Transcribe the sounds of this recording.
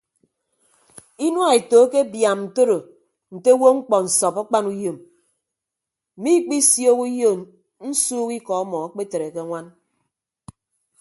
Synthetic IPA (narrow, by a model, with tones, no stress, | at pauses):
i˦nwa˦˨e˨to˨˦ke˦bja˨mn̩˨to˦ɾo˨ | n̩˨te˦wo˦ŋ͡m̩˦k͡pɔ˨n̩˨sɔ˨pɔ˦k͡pa˦nu˦jo˨m˨ | mi˦k͡pi˦sjo˦ku˦jo˦˨ | n̩˦suː˦ki˦kɔ˨ɔ˦mɔ˨a˦k͡pe˦te˨ɾe˨ke˦ŋʷa˦n